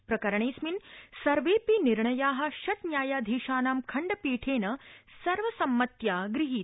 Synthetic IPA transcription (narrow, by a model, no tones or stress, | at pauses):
pɾɐkɐɾɐɳeːsminsɐɾʋeːpiniɾɳɐjaːɦɐ̆ʃɐt̪njaːjaːd̪ʱiːʃaːnaːmkʰɐɳɖɐpiːʈʰeːnɐsɐɾʋɐsɐmːɐt̪jaːɡɾiɦiːt̪